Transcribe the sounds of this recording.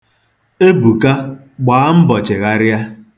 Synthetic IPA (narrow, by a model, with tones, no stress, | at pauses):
e˦bu˨ka˦ | ɡ͡baː˨a˦m̩˦bɔ˨t͡ʃe˨ɣa˦ɾja˦